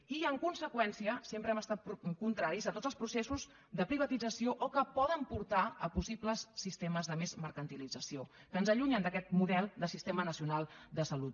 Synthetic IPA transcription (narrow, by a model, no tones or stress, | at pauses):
iəŋkunsəkwɛnsiəsempɾəɛməst̪at̪̚kunt̪ɾaɾizət̪odd͡zəlˠspɾusesuz | d̪əpɾiβ̞ət̪id͡zəsioʔɔkəpɔðəmpuɾt̪aəpusipləsːist̪eməzðəmezməɾkənt̪ilid͡zəsiokəːnzəʎuɲənd̪əkɛt̪̚muðɛlˠd̪əsist̪emənəsiunalˠd̪əsəlut̪̚